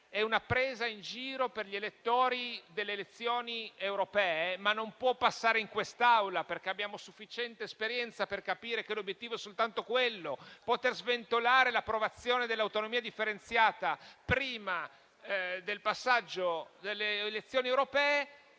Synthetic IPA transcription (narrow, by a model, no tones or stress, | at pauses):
ɛunapːɾeːzaind͡ʒiːɾoperʎielet̪ːoːɾid̪elːeːlet̪sːjoːniewɾopɛːemanːompwɔpːasːaːɾeiŋkwest̪awlaperk̟eabjaːmosufːit͡ʃɛnt̪eːspeɾjɛnt̪saperkapiːɾekelobjet̪ːiːvoɛsolt̪ant̪okwelːopot̪erzvent̪olaːɾelapːɾovat̪sːjoːned̪elːawt̪onomiːad̪ifːeɾent̪sjaːt̪apɾiːma | d̪elpasːad͡ʒːod̪elːeːlet̪sːjoːniewɾopɛːe